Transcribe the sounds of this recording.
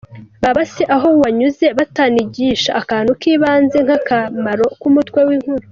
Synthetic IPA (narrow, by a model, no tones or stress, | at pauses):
βaβaseʔaɦo̞waɲuze̞βataniɟiːʃaʔːkaːn̥ukiːβaːnze̞ŋ̥hakamaɾo̞kumutkwe̞wiːŋ̥huɾu